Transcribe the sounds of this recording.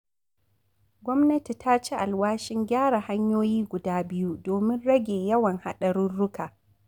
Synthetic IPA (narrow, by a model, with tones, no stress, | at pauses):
ɡʷɔ˦mnɐ˦ti˨ta˦t͡ʃi˦ʔa˨lwaː˦ʃɪ˦ŋɡʲaː˦ɽa˨ha˦ɲjoː˦jiː˦ɡʷʊ˨daː˦bɪ˦ju˦doː˨mɪ˦nɽɐ˦ɡʲeː˨jɐ˦wɐ˨ŋha̰˦ɗɐ˨ɽʊ˦nɽʊ˦kaː˨